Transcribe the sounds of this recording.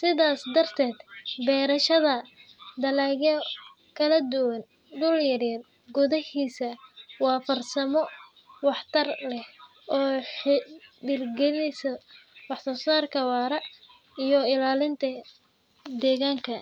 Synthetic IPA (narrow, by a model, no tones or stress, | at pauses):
sɪðaːsd̪ɐrt̪ʰɛːd̪bɛːɾɐʃɐðɐ | d̪ɐlaɣɛ | kʰɐlɐd̪ʊwɐn | d̪ʊljɐɾɛːd̪ | ɡʊðɐhiːsɐwɑːfɐrsɐmɔ | wɑħt̪ʰɐrlɛh | ʔɔːħɪdɪrɡɛnɛsɐwɑħsɔːsaːrkʰɐwɑːɾɐ | ijɔɪlaːlɪnt̪ʰɐ | d̪ɛːɣaːŋkʰɐ